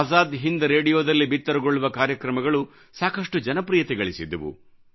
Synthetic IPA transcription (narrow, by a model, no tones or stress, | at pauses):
zaːd̪ɦind̪ɐɾeːɽijoːd̪ɐlːibit̪ːɐɾɐɡoɭːuʋɐkaːɾjɐkɾɐmɐɡɐɭu | saːkɐʂʈud͡ʒɐnɐpɾijɐt̪ɛɡɐɭisid̪ːɐʋṵ